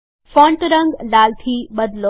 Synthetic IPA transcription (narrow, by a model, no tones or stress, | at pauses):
fɔ̃ːɳʈɾə̃ŋɡlaːlt̪ʰiːbɐd̪lo